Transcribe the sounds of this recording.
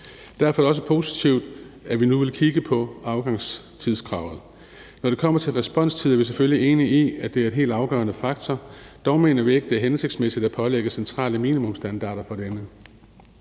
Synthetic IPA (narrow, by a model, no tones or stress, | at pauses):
d̥æɐfɒɐæɾɒ̽səpʰo̝ːsit͡sʰiʊ̰d̥æʋinuʋe̝lkʰiɡ̥əpʰɒ̽ɑ̈ʊɡ̥ɑ̈ŋs | t͡sʰiðˠsɡ̥ʰʁɑ̈ʊð̞̩ˠ | nɒɾ̥e̝kʰɒ̽m̰ɐt͡sʰe̝lʁɛsb̥ɒ̽n̰st͡sʰiðˠɐʋis̬eføljie̝ːniiæd̥e̝æɐe̝̥ɦe̝̰ːld̥ɑ̈ʊɡ̥ɶ̰ːɐnəfɑ̈ɡ̥t͡sʰɒd̥ɒʊme̝ːnɐʋie̝ɡ̥əd̥e̝æɐɦense̝ɡ̥̚smesid̥æpʰɒ̽leɡ̥əsent͡sʰʁɑ̰̈ːləmiːnimɔ̽msd̥ænd̥ɑ̰̈ːɾ̥ɐfɒ̽d̥enə